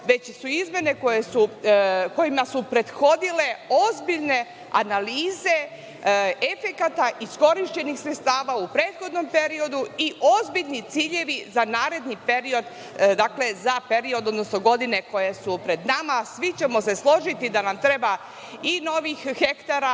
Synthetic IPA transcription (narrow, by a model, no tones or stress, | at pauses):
ʋe̞t͡ɕsuizmje̞ne̞kojesuko̞jimasupɾe̞d̪xo̞d̪ile̞o̞zbiʎne̞ | a̰naliːze̞ | efe̞kat̪aʔisko̞ɾiʃt͡ɕe̞nixsɾet̪st̪aːʋaupɾeːt̪xo̞d̪no̞mpe̞ɾio̞d̪uiʔo̞zbiʎnit̪siːʎe̞ʋizanaːɾe̞d̪nipe̞ɾio̞d̪ | d̪akle̞zape̞ɾio̞d̪o̞d̪nosno̞ɡo̞d̪ine̞ko̞je̞supɾe̞d̪namasʋit͡ɕe̞mo̞se̞slˠo̞ʒit̪id̪anamt̪ɾe̞ba | ino̞ʋixxe̞kt̪aɾa